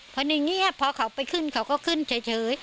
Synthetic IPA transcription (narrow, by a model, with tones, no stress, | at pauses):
pʰɔ˧˥ni˧ŋi˥˩əpʰɔː˧kʰa˨˩˦wpa˧jkʰɯ˥˩nkʰa˨˩˦wkɔː˥˩kʰɯ˥˩˨nt͡ɕʰaː˨˦t͡ɕʰɤː˨˦j